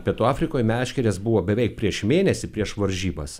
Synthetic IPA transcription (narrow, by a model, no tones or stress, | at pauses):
pʲiɛt̪uːɑːfʲɾʲɪkoːjmʲæːʃʲkʲɛɾʲeːsbuʋoːbʲɛʋʲɛɪk̚pʲɾʲiɛʃmʲeːnʲɛsʲɪpʲɾʲiɛʃʋɐɾʲʒʲiːbɐs